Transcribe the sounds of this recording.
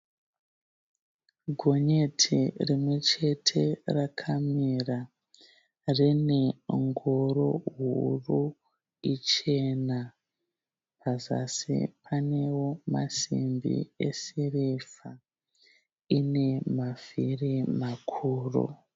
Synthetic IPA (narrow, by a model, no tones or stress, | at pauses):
ɡʱo̞ɲe̞tʰḭrimwe̞t͡ʃe̞tʰe̞rakʰamira | rine̞ŋɡoɾoɦuru | it͡ʃe̞na | pʰaza̰sḭpʰane̞woma̰sḭmbḭḛsirefa | ine̞mavirimakʰuːro̰